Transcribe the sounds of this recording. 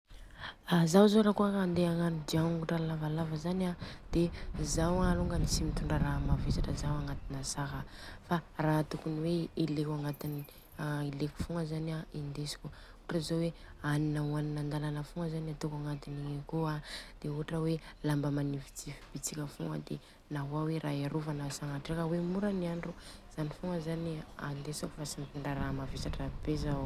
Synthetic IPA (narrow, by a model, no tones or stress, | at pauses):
azawzoɾakuakand̪eaŋanid̪iaŋɡuʈ͡ʂalavalavəzanad̪̥ezawaluŋɡənisimit̪uɳɖ͡ʐaɾamavesaʈ͡ʂəzawaŋat̪inasaɦəfaraːt̪ukuniweilekaŋɡat̪ini | ileku̥fuŋəzanaind̪esi̥kʲu | uʈ͡ʂəzoweaninawaninand̪alanəfuŋəzaniat̪ukaŋɡat̪iniekoad̪̥euɦaʈ͡ʂəwelambəmanivi̥t͡sifib̥it͡sikʲəfuŋə̰d̪ḛ | naɦuaweɾʔaeɾuvanasaɦaʈ͡ʂekawemuɾəniaɳɖ͡ʐuz̥anifuŋəzaniand̪esaku̥fasimit̪eɳɖ͡ʐaɾamavesaʈ͡ʂabeza